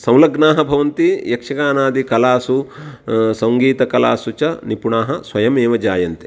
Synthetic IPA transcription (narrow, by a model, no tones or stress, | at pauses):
sɐwlɐɡnaːɦɐbʱɐʋɐnt̪ijɐkʂɐɡaːnaːd̪ikɐlaːsu | sɐŋɡiːt̪ɐkɐla̰ːsut͡ʃɐnipuɳaːɦɐsʋɐjɐmeːʋɐd͡ʒaːjɐnt̪e̥